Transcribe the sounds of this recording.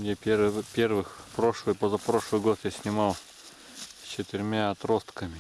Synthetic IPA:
nʲapʲeɾpʲervɨxpɾoʂlˠɨjpozapɾo̞ʂlˠɨjɡo̞t̪jasʲnʲɪmɑlˠ | sʲt͡ɕɪt̪ɪɾʲmʲaɐt̪ɾo̞st̪kəmʲɪ

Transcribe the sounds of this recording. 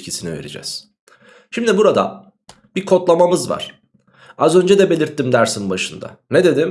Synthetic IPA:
cʰisinive̞ɾḭd͡ʒɛ̰z̥ | ʃimd̪ibuɾad̪a̰ | b̥ikʰo̞t̪lˠamamɯzva̰ɾ̥ | azø̞nd͡ʒɛd̪ɛbe̞lʲiɾt̪ːimd̪æɾsinbaʃɯnd̪a̰ned̪e̞d̪im

